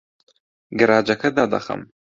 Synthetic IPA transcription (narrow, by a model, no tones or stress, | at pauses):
ɡɨɾaːd͡ʒɐkʰɐd̪aːd̪ɐ̰χɐ̰m